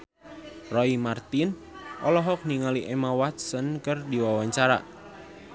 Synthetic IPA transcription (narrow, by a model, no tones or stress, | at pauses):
rɔimart̪in | ʔɔlɔɦɔk̚niŋaliʔɛmawat̪̚sənkərdiwawaɲt͡ʃaɾa̰